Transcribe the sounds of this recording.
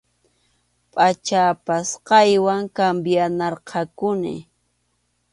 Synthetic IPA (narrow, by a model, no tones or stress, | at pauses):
pʼat͡ʃapasqɑjwaŋkambjanɑɾqʰɑkʊnɪ̰